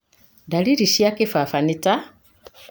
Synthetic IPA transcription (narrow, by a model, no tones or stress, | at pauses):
daliɾiʃjakifafanita